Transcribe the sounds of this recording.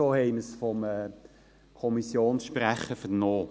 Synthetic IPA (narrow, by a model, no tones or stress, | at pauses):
oːhɛɪməsfɔmɛː | kʰɔmisjoːnsʃpræχəfənoː